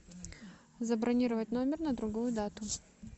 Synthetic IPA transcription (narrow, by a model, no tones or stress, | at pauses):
zəbɾʔɐnʲiɾəvət̚ʲnomʲɪrnəd̪ɾʊɡujʊd̪at̪ʊ